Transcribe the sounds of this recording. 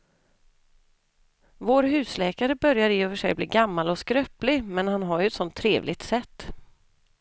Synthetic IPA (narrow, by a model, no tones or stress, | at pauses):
voːɾɦʉ̟ːslɛːkaɾəbœɾjaɾjeːøːvəʂɛ̰jbliːɡamːalɔskɾœːplɪmɛnhanɦaɾjɵɛt̪sɔnt̪ʰːɾeːvlɪɡ̚t̪sɛt̪ː